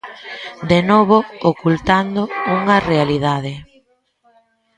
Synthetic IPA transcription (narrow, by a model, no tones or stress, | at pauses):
d̪enɔβ̞ookult̪and̪ouŋɐrealiðaðe